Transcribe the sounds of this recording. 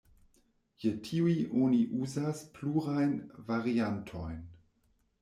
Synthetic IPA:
jetʰiujʔoniʔuzaspluɾajnvaɾiantʰojn

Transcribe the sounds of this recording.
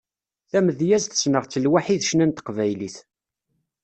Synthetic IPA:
θæməðjæzθə̥snəʁt͡sːəlwaħiθʃnænt̪ə̥qvæjliθ

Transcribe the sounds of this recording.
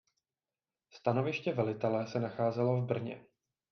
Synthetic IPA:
st̪ano̞vɪʃcɛvɛlɪt̪ɛlɛsɛnaxaːzɛlo̞vbr̩ɲɛ̰

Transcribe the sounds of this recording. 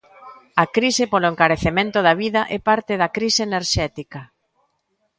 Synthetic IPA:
ɐkɾisepoloeŋkaɾeθemẽnt̪oðaβiðɐʔɛpaɾt̪eðɐkɾiseːneɾʃɛt̪ikɐ

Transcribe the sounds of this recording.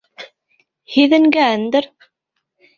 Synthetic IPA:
hiðənɡæʕənd̪əɾ

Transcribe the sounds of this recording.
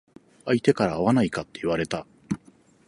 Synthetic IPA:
ait̪e̞kaɾaːβanaikat̪ːe̞iβaɾe̞t̪a

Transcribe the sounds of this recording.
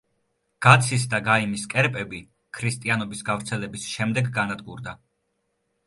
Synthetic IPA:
ɡ̥at̪sʰis̬d̪aɡaimiskʼɛɾpʼɛbi | kʰɾist̪ʼianɔbisɡavɾt̪sʰɛlɛbisʃɛmd̪ɛɡːanad̪ɡuɾd̪a

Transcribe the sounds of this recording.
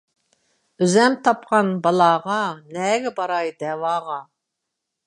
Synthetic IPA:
øzɛmt̪ʰɑp̚qɑnbɑlˠɑːʁɑnɛːɡʲɛbɑɾɑjd̪ɛwɑːʁɑ

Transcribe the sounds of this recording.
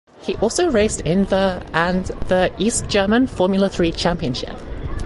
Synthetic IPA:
hiʔɔˑlˠsoʊɹeɪstɪ̃nvəə̃nðəʔiˑsd̥ʒ̥ɜːmə̃nfɔːmjl̩ˠəθɹiːt͡ʃʰæ̃mpiə̃nʃɪ̰p

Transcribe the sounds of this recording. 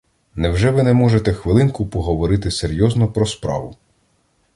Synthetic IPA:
nɛwʒɛʋɪnɛmɔʒet̪ɛxʋɪlˠɪnkʊpɔɦɔʋɔɾɪt̪ɪseɾʲjɔznɔpɾɔspɾɑ̰ʋʊ

